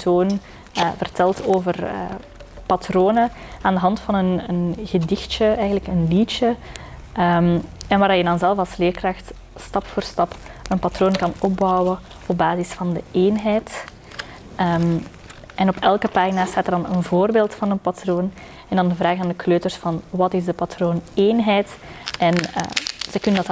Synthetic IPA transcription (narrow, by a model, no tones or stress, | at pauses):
tʰoːn | əvərtʰɛlˠtoːvərə̰ | patroːnə | aːndəɦɑntfɑnənənɣədɪxt͡ʃəɛjɣənləkənlit͡ʃə | əmɛnʋaːrdɑjədɑnzɛlˠvɑlˠsleːrkraxt | stɑpfoːrstɑpənpatroːnkɑnɔpb̚bɔwə | ɔb̚baːzɪsfɑndəeːnɦɛjt | əm | ɛnɔpɛlˠkəpaːrɣinaːstaːtərdɑnə̰nvoːrbeːlˠtfɑnənpatroːn | ɛndɑndəvraːɣaːndəkʰløːtərsfɑnwɑtɪzdəpatroːneːnɦɛjtɛnə̰z̥əkɵnəndɑt